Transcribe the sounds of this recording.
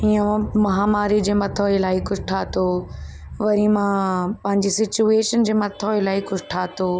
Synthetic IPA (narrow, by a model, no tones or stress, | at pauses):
iõmɐɦaːmaːɾid͡ʑeːmɐt̪ʰoːelaːikʊd͡ʑʱʈʰaːt̪ʰoː | ʋɐɾimãpɐ̃ɦɪɲd͡ʑisɪt͡ɕueːʃənd͡ʑeːmɐt̪ʰoːelaːikʊd͡ʑʱʈʰaːt̪ʰoː